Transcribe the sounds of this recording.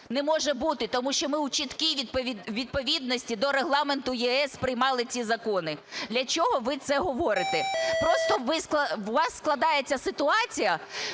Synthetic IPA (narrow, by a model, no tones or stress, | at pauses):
nɛmɔʒɛbut̪ɪt̪ɔmuʃt͡ʃɔmɪwt͡ʃit̪kʲiʋʲipʲiʋʲid̪̚pɔʋʲid̪̚nɔsʲtʲid̪ɔɾeɦlˠɑment̪ʊjiɛspɾɪjmɑlˠɪt͡sʲizɐkɔnɪd̪lʲɐt͡ʃɔɦɔʋɪt̪sɛɦɔʋɔɾɪt̪ɪpɾɔst̪ɔʋɪsk̪ˠɐʋɑsːklˠɐd̪ɑjet͡sʲːɐsɪt̪ʊɑt͡sʲijɐ